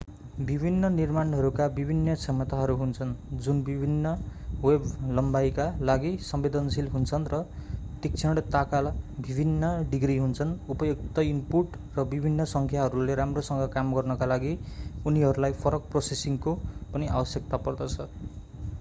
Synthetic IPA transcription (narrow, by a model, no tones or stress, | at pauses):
bibʱinːʌnirmanɦʌɾukabibʱinːʌt͡sʰemːʌt̪aɦʌɾuɦunt͡sʰʌnd͡zunbibʱinːʌweblʌmbajkalaɡisʌmbed̪ʌnsilɦunt͡sʰʌnrʌt̪ik̚t͡sʰʌɽt̪akalbibʱinːʌɖiɡriɦunt͡sʰʌnupʌjokt̪ʌimpuʈ | rʌbibʱinːʌsʌŋkʰjaɦʌɾuleɾamrosʌŋɡʌkamɡʌrnʌkalaɡiuniɦʌɾulajpʰʌɾʌk̚prosesiŋkopʌnia̰bʌsjek̚t̪apʌrd̪ʌt͡sʰʌ